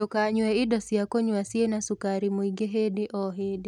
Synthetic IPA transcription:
ɔkaɲwɛidɔsiakɔɲwasienasukaɾimwiɡeɦediʔɔɦedi

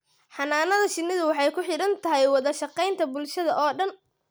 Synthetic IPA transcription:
ħɑnaːnɐðɐʃɪnːɪðʊwɑħɑjkʰʊħɪɽɐnt̪ʰɐɦɛjwɑðɐʃɑqɛjnt̪ʰɐbʊlʃɐðɐʔɔːɖɐn

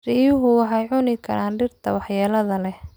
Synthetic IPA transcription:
rijʊɦʊwɑħɑjʕʊnɪkʰɐ̰ɾaːnɖɪrt̪ʰɐ̰wɑħjaːlɐðɐlɛh

